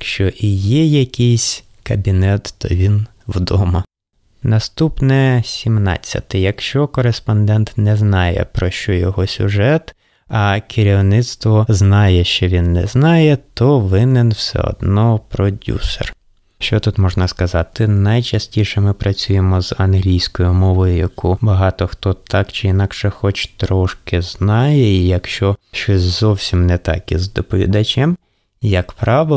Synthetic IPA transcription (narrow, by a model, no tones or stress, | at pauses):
kʃt͡ʃɔʔijɛjɐkʲɪjsʲ | kɐbʲinɛt̪ːɔ̰ʋʲin | wd̪ɔmɐ | nɐst̪upnɛsʲimnɑ̰t͡sʲːɐ̰t̪ɪjɐkʃt͡ʃɔkɔɾespɔnd̪ɛnt̪nɛznɑjɛ̰pɾɔʃt͡ʃɔjɔɦɔsʲʊ̰ʒɛt̪ | ɐkʰɪɾʲiwnɪt̪st̪ʋɔznɑjɛʃt͡ʃɔʋʲinːɛznɑjɛt̪ɔʋɪnɛnwsɛ̰ɔ̰d̪nɔpɾɔdʲṵsḛr | ʃt͡ʃɔt̪ut̪mɔʒnɐskɐzɑt̪ɪnɐjt͡ʃɐsʲtʲiʃɛmɪpɾɐt͡sʲujemɔzɐnɦlʲijsʲkɔjʊmɔʋɔjʊjɐkubɐɦɑt̪ɔxt̪ɔt̪ʰɑkt͡ʃɪinɑkʃɛxɔt͡ʃt̪ɾɔʃkɪznɑjɛijɐkʃt͡ʃɔʃt͡ʃɔsʲzɔwsʲimnɛt̪ɑ̰kizd̪ɔpɔʋʲḭd̪ɐt͡ʃʲɛm | jɐkpɾɑʋɪ